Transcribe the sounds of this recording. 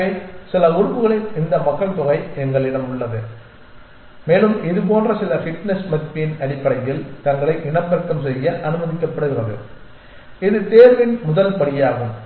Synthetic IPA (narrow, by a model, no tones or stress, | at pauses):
eːsɪlɐʊɾɯpːɯɣɐɭɪlɪnd̪ɐmɐkːɐɭt̪ɔɣɐɪɛŋɡɐɭɪɽɐmʊɭːɐðɯ | meːlɯmɪðɯp̬oːndrɐsɪlɐfɪʈnɛsmɐðɪpːɐjɪnɐɽɪpːɐɽɐjjɪlt̪ɐŋɡɐɭɐɪʔɪɳɐpːɐɾɐk̪ːɐmsɛjːɐʔɐnɯmɐðɪkːɐpːɐɽɯɣɪrɐðɯ | ɪðɯt̪eːɾʋɪnmʊðɐlpɐɽɪjaːɣɯm